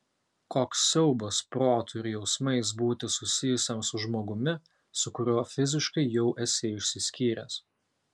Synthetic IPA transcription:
koːksːʲɛʊbɐspɾoːt̪ʰʊɪɾʲjɛʊsmɐɪs̬buːt̪ʲɪsʊsʲɪjʊsʲemsʊʒmoːɡʊmʲɪ | sʊkʊɾʲoːfʲɪzʲɪʃkɐɪjɛʊʔɛsʲeːɪʃʲsʲɪsʲkʲiːɾʲɛ̰ːs

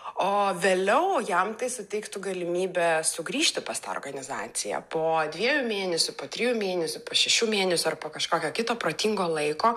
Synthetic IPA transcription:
oːʋʲeːlʲɛʊjɛmt̪ɐɪsʊt̪ʲɛɪkt̪ʊɡɐlʲɪmʲiːbʲɛsʊɡɾʲiːʃʲt̪ʲɪpɐst̪ɑ̰rɡɐnʲɪzɑːt̪sʲɪjɛ̰poːd̪ʲʋʲiɛjʊmʲeːnʲɛsʲʊpoːt̪ʲɾʲɪjuːmʲeːnʲɛsʲʊpoːʃʲɛʃʲuːmʲeːnʲɛsʲʊɐrpoːkɐʃkoːkʲoːkʲɪt̪oːpɾot̪ʲiŋɡoːlˠɐɪkoː

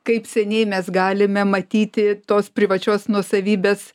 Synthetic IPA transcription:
kɐɪpsʲɛnʲɛɪmʲɛsɡɑːlʲɪmʲɛmɐt̪ʲiːt̪ʲɪt̪oːspʲɾʲɪʋɐt͡ʃʲoːsnuɔsɐʋʲiːbʲeːs

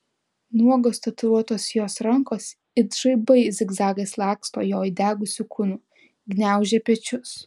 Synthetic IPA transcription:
nuɔɡoːst̪ɐt̪ʊɾuɔt̪oːsjoːsɾɐŋkoːs | ɪd̪ʒɐɪbɐɪzʲɪɡzɑːɡɐslˠɑːkst̪o̰ːjoːjd̪ʲæːɡʊsʲʊkʰʊnʊː | ɡnʲæˑʊʒʲɛpʲɛt͡ʃʲʊs

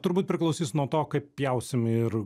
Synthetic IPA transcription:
t̪ʊɾbuːt̪pʲɾʲɪklˠɐʊsʲiːsnuɔt̪oːkɐɪppʲjɛʊsʲɪmɪɾ

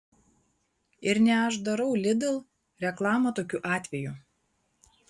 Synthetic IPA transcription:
ɪɾnʲɛɐʒd̪ɐɾɐʊlʲɪd̪ʲɪlˠ | ɾʲɛklˠɑːmot̪oːkʲuːʔɑːt̪ʲʋʲɛjuˑ

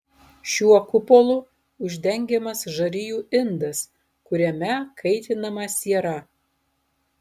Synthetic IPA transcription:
ʃʲuɔkʊpɔlˠʊ | ʊʒʲd̪ʲɛŋʲɡʲɛmɐsʒɐɾʲɪjuːʔɪnd̪ɐs | kʊɾʲɛmʲɛkʰɐɪt̪ʲɪnɐmɐsʲiɛɾɐ

